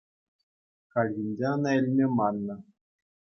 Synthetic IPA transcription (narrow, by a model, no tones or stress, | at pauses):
kɑlʲɣʲinʲd͡ʑʲeɑnɑilʲmʲemɑnːɤ̆